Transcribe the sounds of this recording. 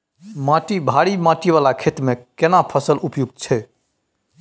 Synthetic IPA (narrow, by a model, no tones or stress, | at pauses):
mãʈibʱaɽimãʈiβalakʰet̪mekenapʰəsəlupjuɡ̚t̪t͡ʃʰɛ